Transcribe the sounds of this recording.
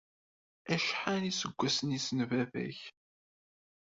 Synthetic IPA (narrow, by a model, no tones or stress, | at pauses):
æʃħanisəɡʷːæsənisənvævæ̰ç